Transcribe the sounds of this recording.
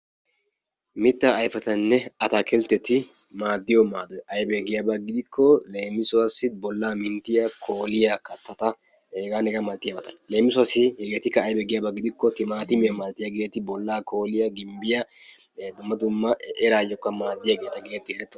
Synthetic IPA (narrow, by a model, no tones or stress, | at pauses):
mɪt̪ːɐːjfɐt̪ɐnːɛɐt̪akʰɛlt̪ːɛt̪ɪ | maːd̪ːɪjɔmaːd̪ɔjʔɐjbɛɡɪjabɐɡɪd̪ɪkːɔleːmːɪsʊwɐsːɪbɔlːaːmɪnt̪ːɪjɐkʰoːlɪjakɐt̪ːɐt̪ɐ | eːɡaːnɛɡɐmɐlt̪ːɪjabɐt̪ɐnle̞ːmːɪsʊasɪhɛɡeːt̪ɪkːɐːjbɛɡɪjaːbɐɡɪd̪ɪkːɔt̪ɪmaːt̪ɪmemaːlt̪ːɪjaɡeːt̪ɪbɔlːaːko̞ːlɪjɐɡɪmbɪjɐ | d̪ʊmːɐd̪ʊmːɐʔɛɾaːjɔkːɐmaːd̪ːɪjaɡe̞ːt̪ɐɡe̞ːt̪ːɪɛɾɛt̪ːɔ